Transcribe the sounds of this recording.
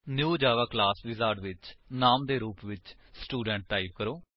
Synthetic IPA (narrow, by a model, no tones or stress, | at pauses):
njuːd͡ʒaːʋaːklaːsʋɪzaːɾɖʋɪt͡ʃnaːmd̪eːɾuːpʋɪt͡ʃ | sʈuːɖɛ̃ːɳʈ̚ʈaːiʋkəɾoː